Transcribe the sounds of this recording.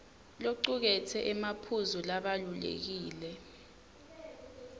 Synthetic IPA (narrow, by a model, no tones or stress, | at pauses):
loǃuk̬ɛtʰɛʔɛmapʰuzulaɓalulḛk̬iːlɛ